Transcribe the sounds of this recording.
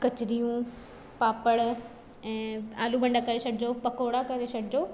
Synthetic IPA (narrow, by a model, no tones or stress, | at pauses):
kɐt͡ɕɪɾijũ | paːpəɽ | ɛ̃ːaːlubɐ̃ɳɖakɐɾesɐɽʰɪd͡ʑopɐkoːɽakɐɾesɐɽɪd͡ʑoː